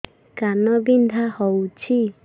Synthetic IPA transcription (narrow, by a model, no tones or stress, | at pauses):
kanɔbind̪ʱahɔwt͡ʃʰi